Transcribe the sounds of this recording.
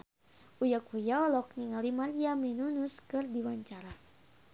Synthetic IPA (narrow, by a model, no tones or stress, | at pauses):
ujakʰujaɔlɔk̚niŋalimaɾiamɛnunuskɨrdiwaɲt͡ʃaɾa